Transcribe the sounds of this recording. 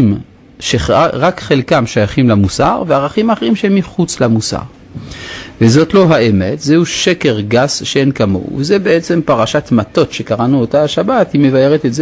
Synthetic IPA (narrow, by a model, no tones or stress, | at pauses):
m | ʃeʁakχelkamʃojaχimlamusa̰ʁveaʁaχimaχeʁimʃeemːiχut͡slamusa̰ʁ | vezo̞tlo̞ɦaemetzehuʃeke̞ʁɡasʃeenkamo̞̰vezebeet͡se̞mpaʁaʃatmato̞tʃe̞kaʁanuotaaʃabathime̞vajeʁetetz